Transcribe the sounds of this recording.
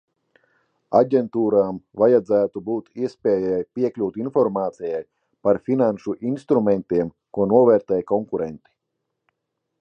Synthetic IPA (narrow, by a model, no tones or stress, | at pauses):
a̰ɟʲent̪uːɾaːmvajad̪zæːt̪ubuːt̪iɛspʲɛːjajpʲiɛklʲuːt̪infɔɾmaːt̪sijaj | paɾfʲinanʃuʔinst̪ɾumɛnt̪iɛm | kuɔnuɔvɛːɾt̪ɛːjkɔŋkuɾɛnt̪i̥